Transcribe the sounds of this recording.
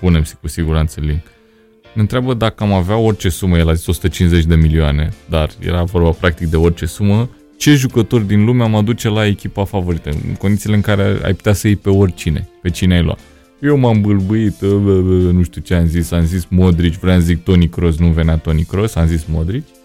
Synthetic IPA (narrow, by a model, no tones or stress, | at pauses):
pune̞msi̥kusiɡuɾant̪səliŋk | ɨnt̪ɾeabəd̪akəamaveao̞rʲt͡ʃe̞suməje̞laziso̞su̥t̪ət͡ʃinze̞t͡ʃʲd̪e̞milioane̞d̪arjḛɾavo̞rbapɾak̚t̪ik̚d̪e̞o̞rʲt͡ʃe̞sumə | t͡ʃe̞ʒukət̪o̞rʲd̪inlumeamad̪ut͡ʃe̞lae̞kʲipafavo̞ɾit̪ə̰ɨ̰nko̞nd̪it̪sileɨŋkaɾea̰jpu̥t̪easəjepe̞o̞rʲt͡ʃine̞̰pe̞t͡ʃineajlwa̰t̪ | jewmambɨlbuit̪ | nuʃt̪ʲut͡ʃeamzisamzismod̪ɾit͡ʃʲvɾojamzik̚t̪o̞nikɾo̞s̬nuve̞neat̪o̞nikɾo̞samzismod̪ɾit͡ʃʲ